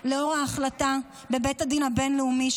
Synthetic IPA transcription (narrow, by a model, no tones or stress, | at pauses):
leo̞ʁaːχlata | bebethadinabe̞nleumiʃ